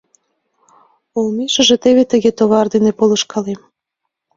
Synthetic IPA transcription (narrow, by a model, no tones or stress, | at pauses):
olmeʃə̆ʒĕt̪eβet̪ə̆ɣet̪oβɑrd̪inepolɤʃkɑlem